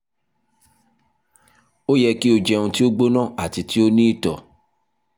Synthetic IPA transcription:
o˦jɛ˧ki˦o˧d͡ʒɛ˧ũ˧ti˦o˦ɡ͡bo˦nãː˦˨a˨ti˨˧ti˦o˦nĩ˦i˦˨tɔ˨

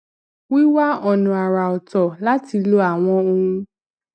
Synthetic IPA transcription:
wi˦wa˦ɔ˧nũ˧a˨ɾa˨ɔ˨tɔ˨la˦ti˧lo˦a˨w̃ɔ̃˧˦õ˧˦

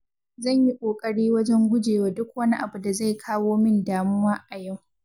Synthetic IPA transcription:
zɐ˦˨ɲji˦kʷʼoː˨kʼɐ˦ɽiː˦wɐ˦d͡ʒɛ˦ŋɡʷʊ˦d͡ʒeː˨waː˨dʊ˦k̚wɐ˦ni˦ʔa˨bu˨da˨za˦˨jkʰaː˦woː˦mɪ˦ndaː˨mʊ˦waː˦ʔa˨ja˦˨w

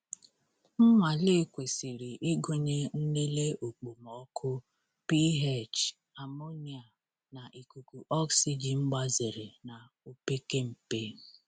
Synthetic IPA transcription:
m̩˦ma˨lɪ˦˨kʷe˨si˨ɾi˨ʔɪ˦ɡo˦ɲe˦n̩˦ni˦le˦o˨k͡po˨mɔ˨˦kʰʊ˦ | pi˦ɦe˦˨t͡ʃ | a˨mo˦ni˨a˨ | na˨ʔi˨ku˨ku˨ʔɔ˦ksi˨d͡ʒi˨ŋ͡m̩˦ɡ͡ba˦zɪ˨ɾɪ˨na˨ | o˨pe˦ke˦m̩˨pe˦

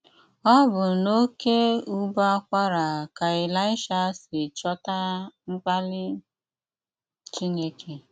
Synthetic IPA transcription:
ɔ˦bʊ˨no˦ke˦u˦ba˦kʷa˦ɾa˨ka˨ɪ˨la˦ɪ˦ʃa˦sɪ˨t͡ʃɔ˦ta˦ŋ͡m̩˦k͡pa˦lɪ˦ | t͡ʃi˦ɲe˦ke˦

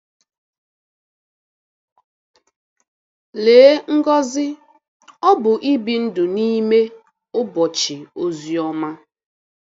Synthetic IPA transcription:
leː˨˦ŋ̩˦ɡɔ˦zɪ˦ | ɔ˦bʊ˨ʔi˦bi˨n̩˦dʊ˨ni˦me˦ | ʊ˦bɔ˨t͡ʃɪ˨o˦zi˨ɔ˦ma˦

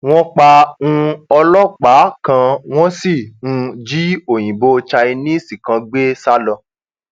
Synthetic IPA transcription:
w̃ɔ̃˦k͡pa˧ũ˧ɔ˧lɔ˦k͡pa˨˦kã˧w̃ɔ̃˦si˦˨ũ˧d͡ʒi˦o˨j̃ĩ˨bo˧˦˧t͡ʃa˧i˧nĩ˦˨si˨kã˧ɡ͡be˦sa˦lɔ˧

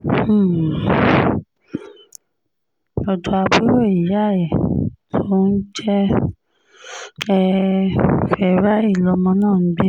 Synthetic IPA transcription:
ɔ˧do˨˧a˧bu˦ɾo˦˨i˨ja˦˨jɛ˨tʰo˦n̩˦d͡ʒɛ˦ | ɛ˧ | fɛ˧ɾa˦i˦˨lɔ˧mɔ̃˧nãː˦˨˦ɡ͡bi˦

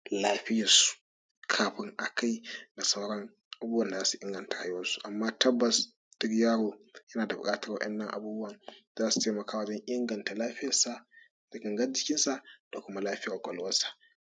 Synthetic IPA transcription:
laː˦ɸɪ˦ja˨su̥˨ | kʰaː˨ɸɪ˦ŋʔa˨kʰa˦jna˨sa˦ɾɔ˦ŋ | ʔa˨buː˦ɐ˨nda˨zaː˦su˨ʔɪ˦ŋɡɐ˨nta˨ha˦ju˦wɐ˦nsu̥˨ʔa˨mːaː˦tɐ˦bːɐ˨s | d̥ɪ˦ɾjaː˦ɽo˨jɐ˦naː˨da˨bʊ̰˨kʼaː˦tɐ˨ɾwa̰˨ʔɛ̰˦nːɐ˦ŋʔa̰˨buː˦bʊ˦wɐ˨nzaː˦su̥˨teː˦mɐ˨kʰaː˦wa˨d͡ʒɔ˦ŋʔɪ˦ŋɡɐ˨nta˨laː˦ɸɪ˦jɐ˨sa˨ | d̥a˨ɡɐ˨ŋɡɐ˦d͡ʒɪ˦kʲɪ˦nsa˦d̥a˨kʊ˦ma˦laː˦ɸɪ˦ja˨kʷʼɔ̰˨lwɐ˦sḁ˨

